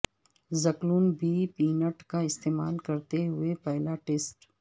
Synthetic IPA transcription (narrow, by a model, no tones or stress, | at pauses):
zɐkluːnbiːpiːnəʈkaɪst̪eːmaːlkɐɾt̪eɦʊepɛɦlaʈeːsʈ